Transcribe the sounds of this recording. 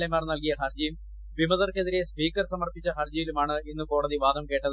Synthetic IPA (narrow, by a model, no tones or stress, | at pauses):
lemaːrnɐlkijɐxɐrd͡ʑɐjum | ʋimɐðɐrke̞ðiɾe̞spiːkːɐrsɐmɐrpit͡ɕːɐɦɐrd͡ʑɐjilumaːɳɨinːɨko̞ːɽɐðiʋaːd̪ɐmke̞ːʈːɐðɨ